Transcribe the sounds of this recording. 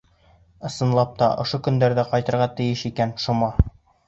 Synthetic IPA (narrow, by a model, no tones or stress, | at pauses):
ɤ̆sɤ̆nlˠɑp̚t̪ɑʔŏʃokɵ̆nd̪æɾðæqɑjt̪ɤ̆ɾʁɑt̪ɘ̆jɘʃikænʃŭmɑ